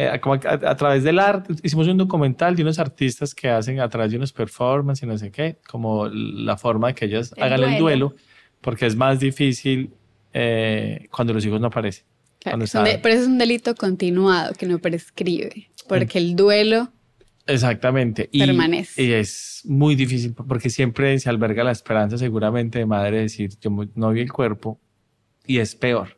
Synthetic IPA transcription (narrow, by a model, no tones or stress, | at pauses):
ekomoaa̰t̪ɾaβe̞zd̪elaɾt̪eis̬imo̞s̬und̪okumẽnt̪ald̪eunos̬aɾt̪ist̪askʰe̞as̬e̞nat̪ɾaβe̞zd̪eunospeɾfo̞ɾmãnsinos̬eke̞kʰo̞mola̰fo̞ɾmaðe̞keeʝasaɣaneld̪we̞lo̞ | po̞ɾke̞ezmazd̪ifisil | ekwand̪o̞losixozno̞apaɾe̞se̥n | and̪oesaepɾoesoesund̪elit̪okont̪inwaðo̰kenopɾeskɾiβḛpoɾkeld̪welo | es̬ak̚t̪amẽ̞nt̪e̞ʔieɾmanese̥iesmujd̪ifis̬ilpo̞ɾke̞sje̞mpɾe̞sealbe̞ɾɣalaespe̞ɾans̬as̬e̞ɣuɾamẽnt̪e̞ðemaðɾeðesiɾd͡ʒonoβielkwe̞ɾpo | ie̞spe̞oɾ